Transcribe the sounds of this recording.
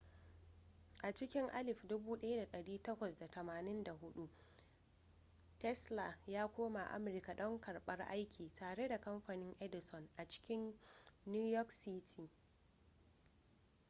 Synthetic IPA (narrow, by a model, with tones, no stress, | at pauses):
ʔa˨t͡ʃɪ˦kʲɪ˦ŋʔa˦lɪ˨ɸdʊ˦buː˦ɗɐ˦ja˦da˨ɗɐ˨ɽiː˦tɐ˦kʷɐ˨sda˨tɐ˨maː˨nɪ˦nda˨ɦʊ˦ɗu˦ | tɛ˦sla˨jaː˦kʷoː˦ma˨ʔa̰˦mʊ˨ɾɪ˦ka˨ɗɔ˦ŋkɐ˨ɽɓɐ˦rʔa̰˦jkʲʰiː˨taː˨ɽe˦da˨kɐ˦mɸa˨nɪ˦ŋʔɛ˦dɪ˨sɔ˨nʔa˨t͡ʃɪ̥˦kʲɪ˦nː | uː˦jɔ˦ksi˦tʰiː˨